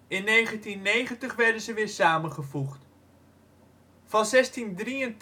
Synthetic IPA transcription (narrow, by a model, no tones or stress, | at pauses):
ɪnːejχəntinːejχəntəχʋɛɹdənzəʋɪːɹsaːmənχəfuχt | fɑnzɛstindriənt